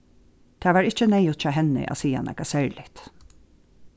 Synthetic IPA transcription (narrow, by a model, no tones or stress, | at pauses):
t̪ʰaːʋaːɹɪht͡ʃənɛɪjʊt̪t͡ʃaːɦɛnɪ̰ʔa̰ːsiːa̰nʔɛ̰kasɛɹlɪt̪